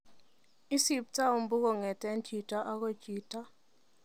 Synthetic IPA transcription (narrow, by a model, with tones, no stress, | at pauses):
i˦si˦p̚ta˦o˨mbu˦kɔ˨ŋɛ˨tɛ˦nt͡ʃi˨ta˦ʔa˦kɔ˦t͡ʃi˨ta˦